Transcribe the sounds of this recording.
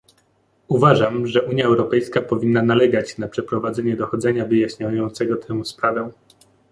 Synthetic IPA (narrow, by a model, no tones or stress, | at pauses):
uvaʐamʐɛʔuɲjaɛwɾɔpɛjskapɔvʲinːanalɛɡat͡ɕnapʂɛpɾɔvad̪zɛɲɛd̪ɔxɔd̪zɛɲavɘjaɕɲajɔnt̪sɛɡɔt̪ʰɛ̃spɾavɛ̃